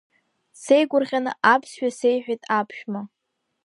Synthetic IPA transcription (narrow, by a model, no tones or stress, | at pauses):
sejɡʷʊrʁʲanɨ̰ʔapʰsɥᶣasejħᶣajtʼapʰʃᶣma